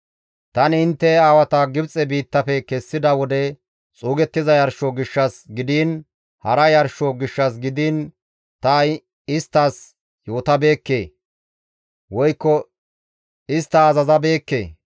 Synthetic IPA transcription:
t̪ɐnɪnt̪ːɛaːwɐt̪ɐɡɪbt͡sʼɛbiːt̪ːɐfɛkɛsːɪd̪ɐwɔd̪ɛ | t͡sʼuːɡɛt̪ːɪzɐjɐɾʃoɡɪʃːɐsɡɪd̪iːn | hɐɾɐjɐɾʃoɡɪʃːɐs̬ɡɪd̪iːn | t̪ɐ | ɪst̪ːɐs | jo̞ːt̪ɐbe̞ːkːe̞ː | wɔjkːɔ | ɪst̪ːɐːzɐzɐbe̞ːkːḛː

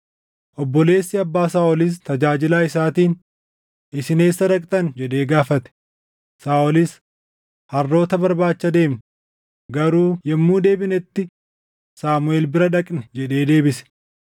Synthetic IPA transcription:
ʔɔbːɔle̞ːsːɪɐbːaːsaːɔlɪs̬t̪ɐd͡ʒaːd͡ʒɪlaːɪsaːt̪iːn | ɪsɪne̞ːsːɐɾɐkʼt̪ʼɐnd͡ʒɛᶑe̞ːɡaːfɐt̪ɛ̥ | saːʔɔlɪs | hɐrːo̞ːt̪ɐbɐɾbaːt͡ʃːɐd̪e̞ːm | ɡɐɾuːjɛmːuːd̪e̞ːbɪnɛt̪ːɪ | saːmʊe̞ːlbɪɾɐᶑɐkʼnɛd͡ʒɛɗe̞ːd̪e̞ːbɪsɛ̥

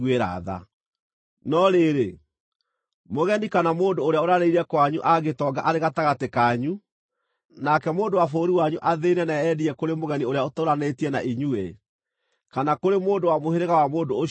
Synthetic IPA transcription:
eɾa̰ða̰ | nɔɾeɾe | moɣɛnikanamoːndoːɾeaoɾaɾeiɾɛkwaɲuʔaɡetɔɡa̰ʔaɾeɣataɣatekaɲu | nakɛmoːndowafoɾiwaɲuʔaðenɛnaɛdiɛkoɾemoɣɛnioɾejaotoɾanetiɛna̰ʔiɲue | kanakoɾemoːndowamoɦeɾeɣawamoːndoː

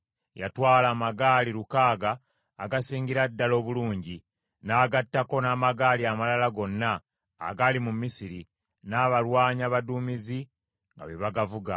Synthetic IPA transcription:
ja̰twaːlaːmaɡaːliɾukaːɡaː | ɡasiːŋɡiɾadːalo̞ːβuluːɲɟi | naːɡatːako̞naːmaɡaːliamalalaɡo̞nːa̰ː | ɡalimumːisiɾi | naːβalwaːɲaβaduːmizi | ŋɡa̰βeβaɡavuɡa

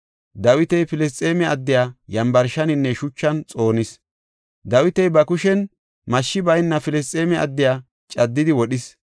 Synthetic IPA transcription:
d̪ɐwɪt̪ɛjfɪlɛs̬t͡sʼeːmɛɐd̪ːɪjaːjɐmbɐɾʃɐnɪnːɛʃʊt͡ʃːɐnt͡sʼo̞ːnɪs | d̪ɐwɪt̪ɛjbɐkʊʃɛn | mɐʃːɪbɐjnːɐfɪlɛst͡sʼeːmɛɐ̰d̪ːɪjaː | t͡ʃʼɐd̪ːɪd̪ɪwɔɗɪs

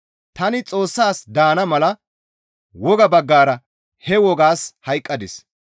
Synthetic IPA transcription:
t̪ɐnɪt͡sʼo̞ːsːaːsd̪aːnɐmɐlɐ | wɔɡɐbɐɡːaːɾɐ | hɛwɔɡaːshɐjkʼːɐd̪ɪs

